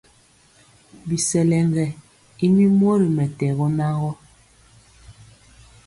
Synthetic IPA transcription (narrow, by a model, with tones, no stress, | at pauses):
bi˨sɛ˨lɛ˨ŋɡɛ˨ | i˦mi˦m˦ɔ˦ɾi˨mɛ˨tɛ˨ɣɔ˦na˦ɣɔ˦